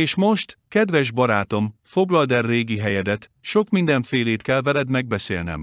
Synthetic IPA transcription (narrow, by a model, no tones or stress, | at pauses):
eːʃmo̞ʃt̪kɛd̪ʋɛʒbɒɾaːt̪o̞mfo̞ɡlɒld̪ɛrːeːɡiɦɛjɛd̪ɛt̪ʃo̞kmind̪ɛɱfeːleːt̪kɛlvɛlɛd̪mɛɡ̚bɛsḛːlnɛ̰m